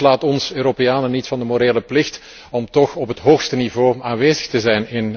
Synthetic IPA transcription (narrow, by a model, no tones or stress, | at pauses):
laːtɔnsøːɾopejaːnənitfɑndəmoɾeːləplɪxt | ɔmtɔxɔpɦətɦoːxstənivoːaːnʋeːzəxtəzɛjnɪn